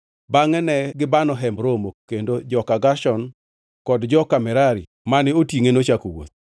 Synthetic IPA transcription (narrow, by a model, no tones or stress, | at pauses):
baŋɛnɛɡɪbanɔɦɛmbɾomokːendod͡ʒɔkaɡaʃɔn | kɔdd͡ʒɔkamɛɾaɾi | manɪotjiŋenot͡ʃakowo̰t̪̚